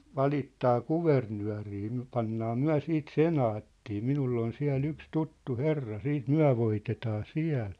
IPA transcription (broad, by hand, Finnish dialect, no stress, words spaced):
ʋɑlitːɑː kuʋernyæ̝riː myæ̝̆ pɑnːɑː myæ̝ siːt senɑːtːiː minulː on siæ̝l yks tutːu herːɑ siːt myæ̝ ʋoitetɑː siæ̝l